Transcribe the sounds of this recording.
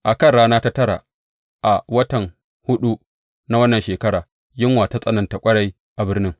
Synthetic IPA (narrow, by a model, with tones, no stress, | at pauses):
ʔa˨kɐ˦rɽaː˦naː˦ta˦tɐ˦ɾa̰˨ | ʔa˨wɐ˦tɐ˨ŋ | hʊ˦ɗu˦ | na˦wɐ˦nːɐ˨nʃeː˨kɐ˦ɽaː˨ | jɪ˦ŋwaː˨ta˦sʼɐ˦nɐ˨nta˨kʷʼɐ˦ɽa˦j | ʔa˨bɪ˦rnɪ˦ŋ